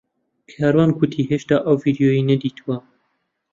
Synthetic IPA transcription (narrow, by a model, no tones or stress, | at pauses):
kʰaːɾwɑːnɡʷʊt̪ʰiːɦeːʃt̪aːʔɐwviːd̪joːjinɐd̪iːt̪ʰuwɐ